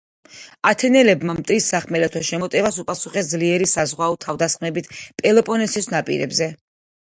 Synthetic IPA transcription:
at̪ʰɛnɛlɛbmamt̪ʼɾisːaχmɛlɛt̪ʰɔʃɛmɔt̪ʼɛvasupʼasuχɛs̬d̪zliɛɾisazʁwaɔt̪ʰavd̪asχmɛbit̪ʰpʼɛlˠɔpʼɔnɛsisnapʼḭɾɛ̰bzɛ

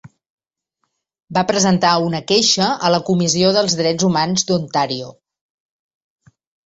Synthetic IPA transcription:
bapɾəzənt̪aunəkeʃəələkumizioðəlˠzðɾɛd͡zumanzd̪unt̪aɾio

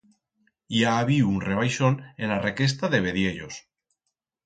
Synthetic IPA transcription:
jaːβiunreβ̞ajʃonenlareke̞s̬t̪aðe̞β̞eðje̞ʎos

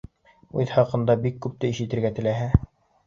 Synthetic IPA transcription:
ʉðhɑqɤ̆nd̪ɑbikːʉp̚t̪ɘiʃɘ̆t̪ɘ̆ɾɡæt̪ɘ̆læɦæ

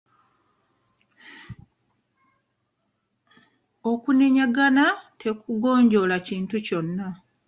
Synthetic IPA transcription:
o̞kuneɲaɡanatʰe̞kuɡo̞ːɲɟo̞laciːntuco̞nːa

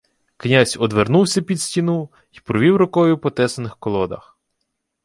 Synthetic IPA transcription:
knʲasʲɔd̪ʋernuwsʲɐpʲid̪sʲtʲinu | ipɾɔʋʲiwɾʊkɔjʊpɔt̪ɛsɐnɪxkɔlˠɔd̪ɐ̰x

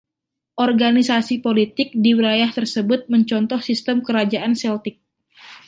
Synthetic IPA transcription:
ʔɔrɡanisasipolit̪ɪk̚diwilajaht̪ərsəbʊt̪̚məɲt͡ʃɔnt̪ɔhsist̪əmkəɾad͡ʒaʔansɛlt̪ɪk̚

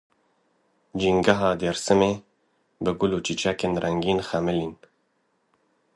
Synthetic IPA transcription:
d͡ʒiːŋɡaɦɑːd̪eɾsɨmeː | bɨɡʊluːt͡ʃit͡ʃʰɛkeːnrɛŋɡiːnxæmɪliːn

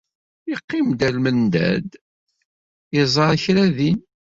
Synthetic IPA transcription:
iqːɪmd̪ælmənd̪æ̰d̪ | ɪzˤɑɾˤçɾæðin

